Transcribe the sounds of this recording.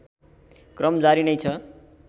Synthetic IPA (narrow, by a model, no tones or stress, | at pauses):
krʌmd͡zaɾinʌjt͡sʰʌ